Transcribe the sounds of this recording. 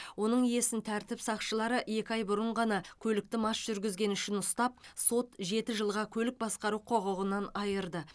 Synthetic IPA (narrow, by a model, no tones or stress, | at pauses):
wo̞nəɴije̞sɪnt̪ʰæɾt̪ɪpsɑqʃəlˠɑɾəe̞kʲɪɑjbʊɾəɴʁɑnɑkʲʰɵlɪk̚t̪ɪmɑʃʒ̥ʏɾɡʲɪzɡʲe̞nʏʃɪnʊst̪ɑp̚so̞t̪ʒe̞t̪ɪʒəlˠʁɑkʲʰɵlɪk̚bɑsqɑɾuqʰo̞ʁəʁənɑnɑjəɾd̪ə